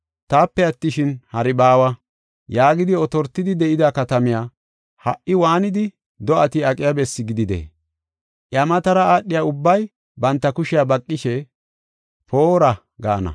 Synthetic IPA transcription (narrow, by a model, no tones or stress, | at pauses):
t̪aːpːɛɐt̪ːɪʃɪnhɐɾɪbaːwɐ | jaːɡɪd̪ɪɔt̪ɔɾt̪ːɪd̪ɪd̪ɛʔɪd̪ɐkɐt̪ɐmɪjaː | hɐʔʔɪwaːnɪd̪ɪ | d̪ɔʔɐt̪ɪɐkʼɪjabɛsːɪɡɪd̪ɪd̪ḛː | ʔjɐmɐt̪ɐɾɐaːɗːɪjaʊbːɐj | bɐnt̪ːɐkʊʃɪjabɐkʼːɪʃɛ | pʰoːɾɐ | ɡaːnɐ̰